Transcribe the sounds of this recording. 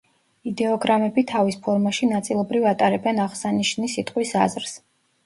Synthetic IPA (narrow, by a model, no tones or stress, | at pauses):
id̪ɛɔɡɾamɛbit̪ʰavispʰɔɾmaʃinat̪sʼilˠɔbɾivat̪ʼaɾɛbɛnaʁsaniʃnisit̪ʼqʼwisa̰zɾs